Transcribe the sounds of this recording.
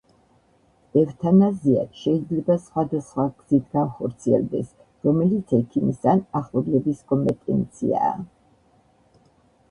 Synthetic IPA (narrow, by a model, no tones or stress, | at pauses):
ɛvt̪ʰanazia̰t̪ʃɛid̪zlɛbasχwad̪asχwaɡ̥z̥it̪ʰɡanχɔɾt̪sʰiɛ̰lˠd̪ɛs | ɾɔmɛlit̪sʰɛkʰimisd̪anaχlˠɔblɛbiskʼɔmpʼɛt̪ʼɛ̰nt̪sʰḭa̰ː